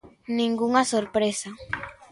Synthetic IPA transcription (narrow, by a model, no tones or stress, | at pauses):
nĩŋɡuŋɐsoɾpɾesa